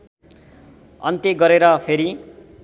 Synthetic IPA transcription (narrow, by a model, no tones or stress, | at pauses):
ʌ̰nt̪eɡʌɾeɾʌpʰeɾi